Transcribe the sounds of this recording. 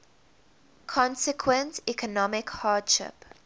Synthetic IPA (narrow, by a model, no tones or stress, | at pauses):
kʰɔ̃nsɪkʰwə̃ntikɔnɔmɪkhɑːdʃɪ̰p